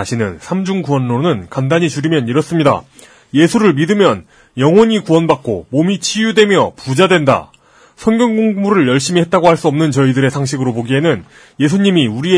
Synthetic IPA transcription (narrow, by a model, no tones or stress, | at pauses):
aɕʰinɯnsʰamd͡ʑuŋkuʌnːonɯnkandaɲit͡ɕuɾimjʌniɾʌs͈ɯmɲida̰ | je̞sʰuɾɯɭmidɯmjʌn | jʌŋwʌɲikuʌnbak̚k͈o̰momit͡ɕʰijudwe̞mjʌpud͡ʑadwe̞nda̰ | sʰʌnɡjʌŋɡoŋmuɾɯɭjʌɭɕ͈imiɦet̚t͈aɡohaɭs͈uʌmnɯnt͡ɕʌidɯɾe̞sʰaŋɕʰiɡɯɾopoɡiɦe̞nɯn | je̞sʰuɲimiuɾie